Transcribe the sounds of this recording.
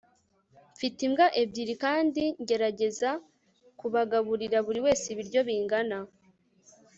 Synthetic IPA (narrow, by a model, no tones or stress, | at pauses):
ɱfitimɡaʔebɟiːɾikaːndiɲɟe̞ɾaɟe̞za | kuβaɡaβuɾiɾaβuɾiwe̞ːsiβiɾɟo̞βiːŋɡana